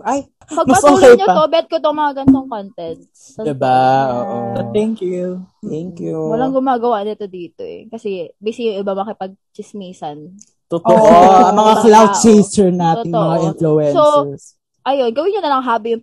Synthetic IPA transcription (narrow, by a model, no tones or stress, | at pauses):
ʔaj | pɐɡmɐpɐt̪ːuːljɲot̪obɛɛt̪̚kot̪oŋmɐŋaɡɐnt̪oŋkont̪ɛnt̪̚ː | ɐd̪ɪbaʔoʔot̪ɛŋkjut̪ɛŋkjuwɐlaŋɡʊmaːɡɐwaʔnɪt̪o̞d̪iːt̪o̰ʔɛ̰kɐsɛbiːsɪjʊŋɪbamɐkɪpɐɡ̚t͡ʃɪsmiːsɐn | t̪ot̪oʔɐmɐŋaklawd̪̚t͡ʃejsɛɹnaːt̪oɪŋt̪omɐʔŋaʔɪnfluɛnsos | ʔɐjonɡɐwɪnːʊnɐlɐŋɦaːbɪjʊŋ